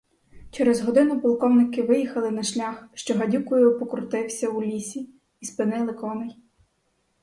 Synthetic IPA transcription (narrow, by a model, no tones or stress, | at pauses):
t͡ʃɛɾɛzɦɔd̪ɪnʊpɔlˠkɔwnɪkɪʋɪjixɐlˠɪnɐʃlʲaxʃt͡ʃɔɦɐdʲukʊjʊpɔkɔɾt̪ɪwsʲɐulʲisʲiː | spɪnɪlˠɪkɔnɪj